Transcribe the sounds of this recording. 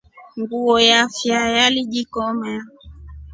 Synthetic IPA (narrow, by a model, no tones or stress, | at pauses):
ŋɡuɔjafjajaliʄikɔmɛa